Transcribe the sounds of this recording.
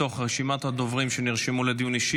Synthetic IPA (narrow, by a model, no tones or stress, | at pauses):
o̞χʁeʃimat̪had̪ovʁimʃeniʁʃimuled̪ijuniʃi